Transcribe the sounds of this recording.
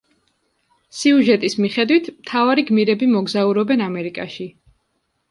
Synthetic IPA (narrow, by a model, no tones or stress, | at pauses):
siuʒɛt̪ʼismiχɛd̪wit̪ʰmt̪ʰavaɾiɡmiɾɛbimɔɡzauɾɔbɛnamɛɾikʼaʃi